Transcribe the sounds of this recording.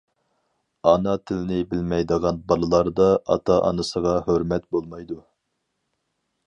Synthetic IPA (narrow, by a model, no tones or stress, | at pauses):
ɑnɑt̪ʰɪlɪnɪbɪlmɛjd̪əʁɑnbɑlˠɨlˠɑɾd̪ɑɑ̰t̪ʰɑʔɑ̰nɨsəʁɑhøɾmɛt̪̚bolˠmɑjd̪u